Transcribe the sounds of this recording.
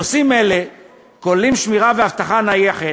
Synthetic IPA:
simele̞ | kollimʃmiʁaveaft̪aχanajeχe

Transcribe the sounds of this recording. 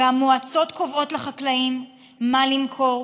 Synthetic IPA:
amːuat͡so̞t̪kovo̞tleχaklaimː | alimkʰo̞ʁ

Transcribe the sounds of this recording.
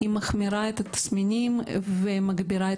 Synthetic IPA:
imɐxmʲɪɾaɛt̪ɐt̪ːsʲmʲɪnʲimvɨmɐɡbʲɪɾaɪ

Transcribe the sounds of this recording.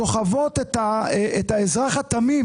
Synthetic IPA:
o̞χavo̞t̪et̪aet̪haezʁaχat̪ami

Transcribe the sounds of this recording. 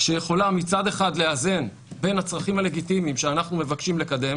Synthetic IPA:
ʃejeχo̞lamit͡sad̪e̞χad̪le̞aze̞n | be̞nat͡sʁaχimhale̞ɡit̪imimʃeanaχnume̞vakʃimle̞kad̪e̞m

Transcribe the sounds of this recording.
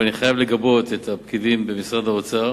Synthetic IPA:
aniχajavle̞ɡabo̞t̪et̪apkidimbe̞misʁad̪aot͡sa

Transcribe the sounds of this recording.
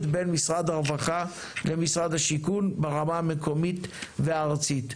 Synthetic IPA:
t̪benmisʁad̪aʁvaχa | lemisʁad̪haʃikunbeʁamamekʰo̞mit̪veaːʁt͡sit̪

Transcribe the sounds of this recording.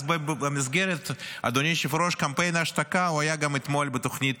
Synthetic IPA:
bɨəmʲɪzɡeɾʲɪt̪ɐ̰d̪onʲejʃɪfɾoʂkɐmpɛjnaʃt̪ɐkaʊajaɡamɪt̪molʲbɨt̪oxnʲit̪

